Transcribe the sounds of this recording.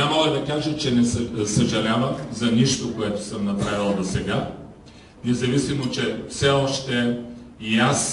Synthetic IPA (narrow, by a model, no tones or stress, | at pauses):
namɐəlˠɛd̪ɐkaʒɐt͡ʃɛnɛsɐʒɐlʲavəmzɐniʃt̪okoɛt̪ʊ̥səmnɐpɾavilˠɐd̪osɛɡa | nɛzɐvisimot͡ʃɛfsɛɔʃt̪ɛias